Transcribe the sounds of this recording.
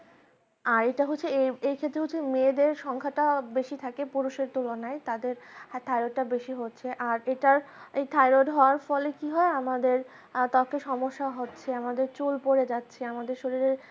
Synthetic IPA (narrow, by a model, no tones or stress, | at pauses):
aɾeʈaɦotːɕʰeeejkʰet̪ːɾeɦoːemed̪eɾʃɔŋkʰaʈabeʃit̪ʰakepuɾuʃeɾt̪ulonaet̪ad̪eɾt̪ʰajɾoʈʈːabeʃiɦotːɕʰeʔaɾeʈaɾejt̪ʰajɾoʈɦɔoaɾfɔlekiɦɔeamad̪eɾ | t̪ɔkeʃɔmoʃːaɦotːɕʰeamad̪eɾt͡ɕulpoɾed͡ʑatːɕʰeamad̪eɾʃoɾiɾeɾ